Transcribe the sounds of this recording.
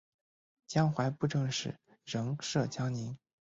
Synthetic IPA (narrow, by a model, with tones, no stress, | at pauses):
t͡ɕjɑ˥ŋxwa˧˥ɪpu˥˧ʈ͡ʂɤ˥˧ŋʂɻ̩˥˩ | ɻɤ˧˥ŋʂɤ˥˩t͡ɕjɑ˥ŋni˧˥ŋ